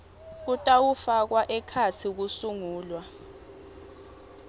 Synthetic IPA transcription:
k̬utʼawufak̬waʔɛkʰat͡sʰik̬usuŋuːlwa

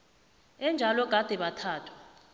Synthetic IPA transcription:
ɛnd͡ʒʱalɔɡ̥ʱad̥ʱɛɓatʰaːtʰwḁ

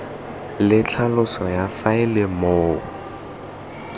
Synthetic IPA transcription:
lɪt͡ɬʰalʊsɔjafaɪlɪmoːʊ

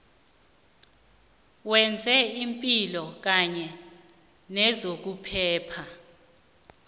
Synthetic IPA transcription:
wɛnd͡zʱɛimpʼilɔk̬aɲɛ | nɛzok̬upʰɛːpʰa

